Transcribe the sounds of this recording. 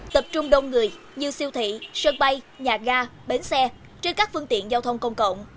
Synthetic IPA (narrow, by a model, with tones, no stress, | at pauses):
t̪ə˨˩p̚t͡ɕʊ˧ŋ͡mɗo˧nŋɨ˨˩əj | ɲɨ˧si˧əwt̪ʰḭ˧˨sə˧ŋɓa˧j | ɲaː˨˩ɣaː˧ɓe˨˦nsɛ˧ | t͡ɕe˧nkaː˦˥k̚fɨ˧əŋt̪ḭ˧˨ənzaː˧wt̪ʰə˧wŋ͡mkə˧wŋ͡mkə̰˧˨wŋ͡m